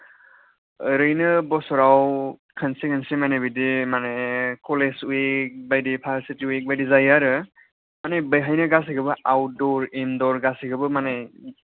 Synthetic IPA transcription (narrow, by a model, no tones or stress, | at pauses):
ɾɯjnɯbɔsɔɾawkʰənsiɡensimanebidimanekʰɔlesuek̚bajdipʰasitiwek̚bajdizajaɾɯ | manebɯjɦajnɯɡas̬iɡɯbɯʔawdɔɾemdɔɾɡasiɡɯbɯmane